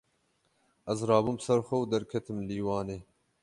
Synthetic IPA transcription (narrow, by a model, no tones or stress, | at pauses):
ɐzɾɑːbumsɐɾxʷɛwd̪ɐɾkʰɐt̪ʰɨmliːwɑːneː